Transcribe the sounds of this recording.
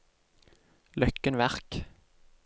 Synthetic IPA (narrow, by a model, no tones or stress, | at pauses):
lœkːənʋæʁk